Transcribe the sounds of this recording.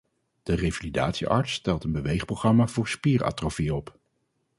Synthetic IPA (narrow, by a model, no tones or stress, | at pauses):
d̥ərevalidaːtsiʔɑ̰ɹtstɛlˠtənbəʋejχprowχrɑmaːvʊːɹspiːra̰ːtrofiɔp